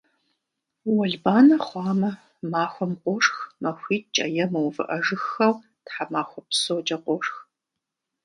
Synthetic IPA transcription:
wɔɮbaːnɐχʷɑːmɐ | maːxʷɔmqʷɔʂxmɐxʷiːtt͡ʃʼɐ̰jɛmɐwvɨ̰ʔɐʒɨxːɐw | tħamaːxʷɔpsot͡ʃʼɐqʷɔʂx

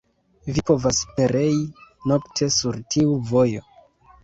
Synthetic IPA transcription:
vipo̞vaspe̞ɾe̞jino̞ktʰe̞suɾtʰiuvo̞jo̞

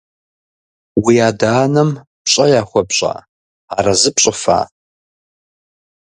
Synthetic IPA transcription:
wiaːdaːnɐm | pɕʼɐjaːχʷɔpɕʼa̰ː | aːɾɐzɨpɕʼɪfa̰ː

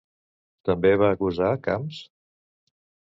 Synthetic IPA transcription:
t̪əmbeβaːkuzakams

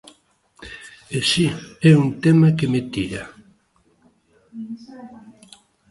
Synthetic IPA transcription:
esiɛunt̪emakemet̪iɾa

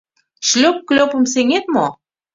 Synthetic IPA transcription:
ʃlʲøp̚klʲøpə̆mseŋet̪̚mo

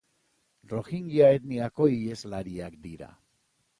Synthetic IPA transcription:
ro̞xiŋɡiaet̪niako̞ie̞zlaɾiakd̪iɾa̰

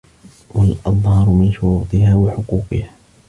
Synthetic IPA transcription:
walʔɑðˤhɑɾˤmɪnʃʊɾuːt̪ˤɨhaːwaħʊquːqɪhaː

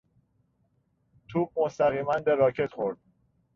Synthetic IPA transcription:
t̪ʰuːb̚most̪æɣiːmænd̪eɾɒːcʰet̪xoɾd̪̥̚

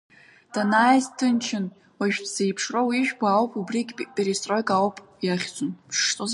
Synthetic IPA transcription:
d̥anajztʰɨnt͡ʃʰɪn | waʒᶣpʰz̥ejpʰʂrowiʒᶣbʷaːwpʼubrikʲʼpʼeɾistʼrojkʼawpʼjaχʲt͡sʷʼʊnpʰʂt͡sʼoz

